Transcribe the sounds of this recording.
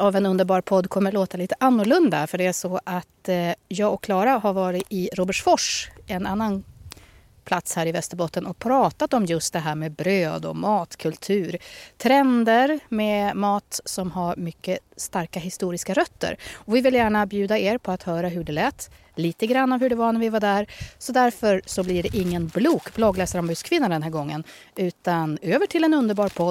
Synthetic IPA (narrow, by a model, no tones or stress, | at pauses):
avɛnɵnd̪əɾbɑːɾpʰɔd̪ːkʰɔmːəɭoːt̪aliːt̪əʔanːʊɭɵnd̪afœɖɛæʂɔʔat̪jɑːɡɔkʰːlɑːɾaɦaɾvɑːɾɪɪɾoːbəʈfɔʂɛnanːan | pʰlat̪shæːɾɪvɛst̪əɾbɔt̪ːənɔk̚pʰɾɑːt̪at̪ɔmjɵst̪̚d̪ɛɦæːɾmeːbɾøːd̪ɔ̰mɑːt̪kʰɵlt̪ʰʉ̟ːɾt̪ʰɾɛnd̪əɾmemɑːt̪sɔmɦaɾmʏkːəst̪aɾkaɦɪst̪uːɾɪskaɾœt̪ːə̰ɾɔvɪvɪljæːɳabjʉ̟ːd̪aeːɾpʰɔat̪hœːɾaɦɵɖɛlɛːt̪ː | liːt̪əɡɾanːavɦɵɖɛvanæɾvɪvaɖ̪æɾsɔd̪æɾfœɾsɔblɪɖɛʔɪŋːənbluːkblɑɡlɛːsəɾɔmbʉskʰvɪnːad̪ɛnɦæːɾɡɔŋːən | ʉ̟ːt̪anøːvəʈʰɪlɛnɵnd̪əɾbɑːɾpʰɔd̪